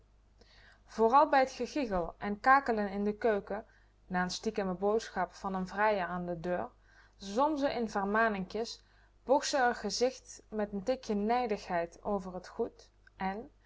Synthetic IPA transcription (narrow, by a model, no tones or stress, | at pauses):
v̥oːrɑlˠbɛjɦətχəχiɣəlˠʔɛnkaːkələnɪndəkøɥkə | naːənstikəməbowtsxɑpfɑnənvrɛjəɹaːndədøːɹ | zɔmzəʔɪnvərmaːnɪŋkjəs | b̥uksəərχəzɪxtmɛtəntɪkjənɛjdəχɦɛjto̰wvərətχut | ʔɛn